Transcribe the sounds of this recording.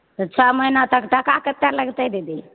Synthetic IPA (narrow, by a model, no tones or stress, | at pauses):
t̪ət͡ʃʰaməjnat̪əkʈakakət̪ːaləɡt̪əd̪ed̪i